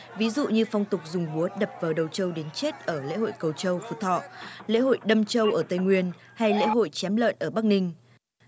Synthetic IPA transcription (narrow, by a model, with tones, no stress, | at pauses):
vi˨˦zṵ˧˨ɲɨ˧fa˧wŋ͡mt̪ʊ˨˩k͡p̚zʊ˨˩ŋ͡mɓu˨˦əɗə˨˩p̚vaː˨˩wɗə˨˩wt͡ɕə˧wɗe˨˦nt͡ɕe˦˥t̚ʔəː˧˩lḛ˧˥ho̰˧˨jkə˨˩wt͡ɕə˧wfṵ˧˩t̪ʰɔ̰˧˨lḛ˧˥ho̰˧˨jɗə˧mt͡ɕə˧wʔəː˧˩t̪ə˧˩jŋwi˧ənha˧jlḛ˧˥ɦo̰˧˨jt͡ɕɛ˨˦mlə̰ː˧˨nʔəː˧˩ɓa˦˥k̚nï˧ŋ̟